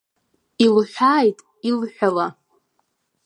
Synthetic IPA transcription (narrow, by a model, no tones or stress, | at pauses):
ilħᶣʷaːjtʼ | ilħʷᶣala